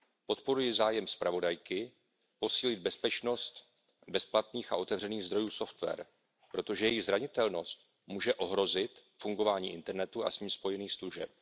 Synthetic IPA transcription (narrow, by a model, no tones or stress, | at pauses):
po̞t̪po̞ɾujɪzaːjɛmspɾavo̞dajkɪ | po̞siːlɪd̪̚bɛspɛt͡ʃno̞st̪ | bɛsplat̪niːxa̰ʔo̞t̪ɛvr̝ɛniːɣzd̪ɾo̞juːso̞ft̪vɛ̰ɾ | pɾo̞t̪o̞ʒɛjɛjɪɣzɾaɲɪt̪ɛlno̞st̪̚ | muːʒɛʔo̞ɦɾo̞zɪt̪fuŋɡo̞vaːɲiːʔɪnt̪ɛɾnɛt̪uʔa̰sɲiːmspo̞jɛniːxsluʒɛp̚